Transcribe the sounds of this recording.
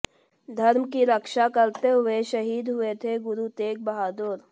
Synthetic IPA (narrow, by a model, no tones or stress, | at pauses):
d̪ʱɐɾmkiɾəkʃakɐɾt̪eɦʊeʃɐɦiːd̪ɦʊet̪ʰeɡʊɾut̪eːk̚bɐɦaːd̪oɾ